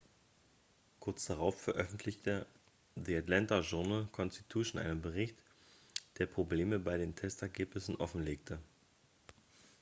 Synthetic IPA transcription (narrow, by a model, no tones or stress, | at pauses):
kʰʊɐt͡sd̥aʁaʊfːɛɐʔœfn̩tʰlɪçtə | diːatlantaʒʊɐnəlkʰɔnsti̥tʰuːʃn̩ʔa̰ɪnənbəʁɪçt | d̥eːɐpʁ̥obleːməbaɪɾeːntʰɛstɛɐɡeːpnɪsn̩ʔɔfn̩leːk̚tʰə